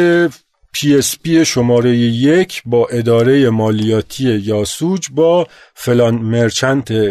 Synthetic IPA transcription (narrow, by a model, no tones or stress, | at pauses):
e | pʰiespieʃo̞mɒːɾe̞jejecʰbɒːʔe̞d̪ɒːɾe̞jemɒːlijɒːt̪ʰije̞jɒːsud͡ʒbɒː | felɒnmeɾt͡ʃʰænt̪ʰe